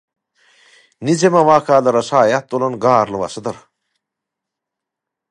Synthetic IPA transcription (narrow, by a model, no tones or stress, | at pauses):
nid͡ʑemɐʋaːkaːlɐɾɐsaːjat̪olɐnɡaːɾlɨʋɐ̰sɐd̪ɐɾ